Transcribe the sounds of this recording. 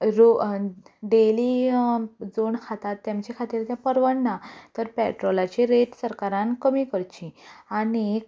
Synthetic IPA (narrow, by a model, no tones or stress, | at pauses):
ɾo | ɖeliː | d͡zoɳkʰat̪at̪ːjãmt͡ɕekʰat̪iːɾt̪jãpəɾʋəɳːat̪əɾpɛʈɾolat͡ɕiɾeʈsəɾkaɾãnkəmiːkəɾt͡ɕĩañi